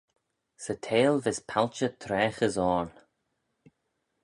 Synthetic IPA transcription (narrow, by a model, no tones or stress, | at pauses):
sətʰeːlvɪspʰalt͡ʃət̪ʰɾɛːxəzɔːɹn